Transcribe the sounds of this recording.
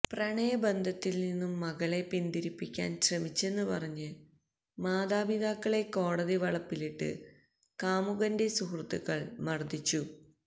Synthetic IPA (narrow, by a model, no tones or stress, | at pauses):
prɐɳejɐbɐnd̪ʱɐt̪ːilninːumːɐɣɐle̞pind̪iɾipːikʲːa̰ːnɕrɐmit͡ɕːe̞nːupɐrɐɲːɨ | maːðaːbiðaːkːɐɭe̞kːo̞ːɽɐðiʋɐɭɐpːiliʈːɨ̰ | kaːmuɣɐndesuhrɨt̪ːuɣɐɭmɐrd̪it͡ɕːu